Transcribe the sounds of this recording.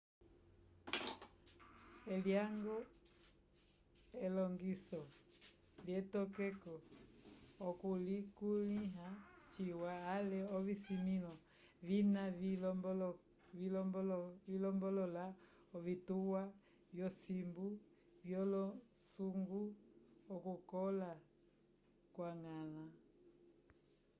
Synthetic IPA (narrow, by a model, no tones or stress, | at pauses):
ɛljaŋɡɔ | ɛlɔŋɡisɔ | ljɛtɔkɛkɔ | ɔkulikuliɦat͡ʃiwaːlɛɔvisimilɔ | vinaviɔbl | ilɔblvilɔmbɔlɔla | ɔvituwa | vjɔsimbu | vjɔlɔsuŋɡuɔkukɔla | kwaŋala